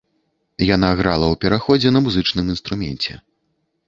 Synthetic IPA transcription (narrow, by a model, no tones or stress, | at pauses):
janaɣɾalˠɐwpʲɛɾaxɔd͡zʲɛnɐmuzɨt͡ʂnɨminst̪ɾumʲɛ̰nʲt͡sʲɛ̰